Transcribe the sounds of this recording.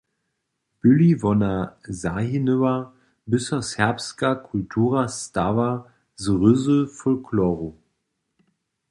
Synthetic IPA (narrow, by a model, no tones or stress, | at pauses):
b̥ʏlivɔnazahinøvɐ | bɪsɔshɛɐpskakʰʊltʰuːʁastava | zəʁʏzəfɔlkʰlɔːʁo